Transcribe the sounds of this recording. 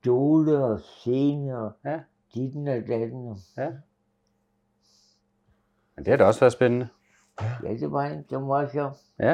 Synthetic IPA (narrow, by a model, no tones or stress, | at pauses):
d̥oːləɒseːnəɒ | d̥id̥n̩æd̥æd̥n̩ɔ | mend̥e̝æɾeɒ̽sʋæɐsb̥enənə | jæd̥eʋɑendemʋɑsɔ